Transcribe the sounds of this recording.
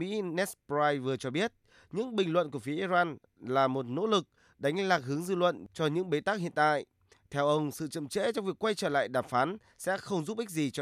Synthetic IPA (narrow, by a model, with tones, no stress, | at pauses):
mḭ˧˥nɛ˦˥spzaː˧jvɨ˨˩ət͡ɕɔ˧ɓi˦˥ət̚ | ɲɨ̰˧˥ŋɓï˨˩ŋ̟lwə̰˧˨nku˧˩əfi˨˦ʔi˧zaː˧n | laː˨˩mo˨˩t̚no̰˧˥lɨ˨˩k̚ | ɗa˨˦ŋ̟laː˨˩k̚hɨ˨˦əŋzɨ̰˧˨lwə̰˧˨nt͡ɕɔ˧ɲɨ̰˧˥ŋɓe˨˦t̪aː˦˥k̚hḭ˧˨ənt̪a̰ː˧˨j | t̪ʰɛ˧wʔə˧wŋ͡msɨ̰˧˨t͡ɕə̰˧˨mt͡ɕḛ˧˥t͡ɕɔ˧wŋ͡mvi˨˩əkwa˧jt͡ɕəː˧˩la̰ː˧˨jɗaː˨˩mfaː˨˦n | sɛ̰˧˥xə˧wŋ͡mzu˦˥p̚ki˦˥k̚zi˨˩t͡ɕɔ˧